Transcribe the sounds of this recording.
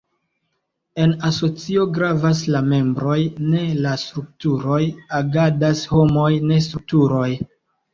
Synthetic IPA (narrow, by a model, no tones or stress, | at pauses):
e̞naso̞t͡sio̞ɡɾavaslame̞mbɾo̞jne̞lastɾuk̚tuɾo̞jaɡadasho̞mo̞jne̞s̬tɾuk̚tuɾo̞j